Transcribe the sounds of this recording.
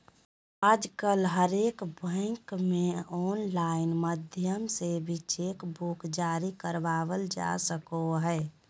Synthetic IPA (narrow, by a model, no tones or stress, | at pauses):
aːd͡ʒkəlɦəɾeːkbʱə̃ɪŋkmeɔːnlaɪnməd̪ʱjəmsebʱit͡ʃeːkbukd͡ʒaːɾikəɾbaːʋəld͡ʒa̰səkoɦɛ